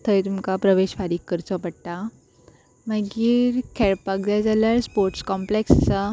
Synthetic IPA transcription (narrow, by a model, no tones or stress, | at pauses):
t̪ʰəjt̪umkapɾəʋeɕfaɾiːkːəɾt͡sɔpəɽʈa | məɡiːɾkʰɛɭpak̚d͡zajd͡zaljaɾspoɾʈskɔmplekst͡sa